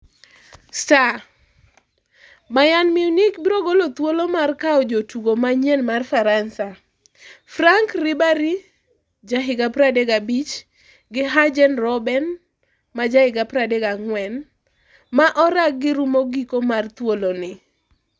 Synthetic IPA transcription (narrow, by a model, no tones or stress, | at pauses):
sta | majanmiunikbiɾoɡolot̪wolomarkaɔd͡ʒotuɡomaɲɛnmarfaɾansa | fraŋkrɪbaɾi | d͡ʒaɦɪɡapɾadeɡabit͡ʃ | ɡɪɦad͡ʒɛnrɔbɛn | mad͡ʒahɪɡapɾadeɡaŋwɛn | maʔɔɾak̚ɡɪɾumoɡikomart̪wolonɪ